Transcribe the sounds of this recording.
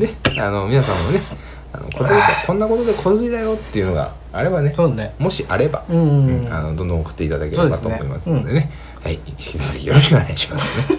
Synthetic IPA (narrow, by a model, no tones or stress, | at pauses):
ne̞a̰no̞mʲinasãmːone̞ | a̰no̰kʰoziakʰõnːako̞t̪o̞d̪e̞kʰo̞t͡sɨid̪ajo̞t̪ːe̞iɯ̟no̞ɡa̰ | aɾe̞bane̞soːemo̞ɕiʔaɾe̞bãa̰no̞d̪õnd̪õokɯ̟̥t̪ːe̞it̪ad̪akesedkatomo̞imasɨnd̪e̞ne̞ | haiçkʲit͡sɨzɨkʲijoɾoɕiknaiɕimasɨ̥ne